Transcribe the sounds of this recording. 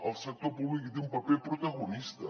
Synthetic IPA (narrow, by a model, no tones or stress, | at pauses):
alˠsak̚t̪oɾpuβlikid̪umpapelpɾot̪aɣonist̪a